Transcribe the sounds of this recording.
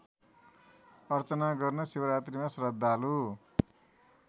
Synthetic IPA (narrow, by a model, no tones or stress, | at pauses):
ʌrt͡sʌnaɡʌrnʌsewʌɾat̪rimasrʌd̪ʱːalu